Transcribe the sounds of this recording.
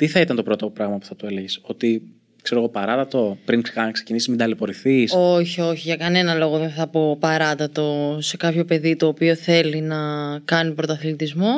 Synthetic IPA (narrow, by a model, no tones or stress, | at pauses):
t̪iθɐit̪ɐnt̪o̞pɾo̞t̪o̞pɾɐɣmɐpu̥θɐt̪ueleʝiso̞t̪i | kse̞ɾo̞ɣopɐɾɐt̪ɐt̪o̞pɾiŋkɐnksecinisizmid̪ɐlipo̞ɾiθiso̞çio̞çiʝɐkɐne̞nɐlo̞ɣo̞ðenθɐpo̞pɐɾɐt̪ɐt̪o̞se̞kɐpço̞pe̞ðit̪o̞ːpio̞θe̞linɐkɐnipɾo̞t̪ɐθlit̪izmo̞